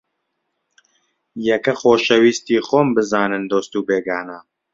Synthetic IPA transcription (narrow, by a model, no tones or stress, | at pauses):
jɛkɐxoːʃɐwiːst̪iːxoːmbɨzaːnɨnd̪oːst̪uːbeːɡaːnaː